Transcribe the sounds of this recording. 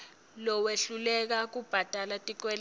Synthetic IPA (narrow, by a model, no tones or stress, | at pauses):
lɔweɬulɛk̬ak̬ub̥ʱad̥ʱalatʼik̬wɛl